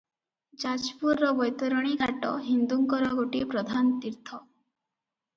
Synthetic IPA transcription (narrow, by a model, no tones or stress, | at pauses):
d͡ʒad͡ʒpuɾːɔbɔjt̪ɔɾɔɽ̃iɡʱaʈɔ̰ɦind̪uŋkɔɾɔɡoʈipɾɔd̪ʱant̪iɾt̪ʰɔ